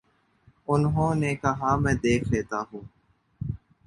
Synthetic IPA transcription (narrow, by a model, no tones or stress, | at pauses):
ʊnɦõːneːkəɦaːmɛ̃ːd̪eːkʰleːt̪aːɦũː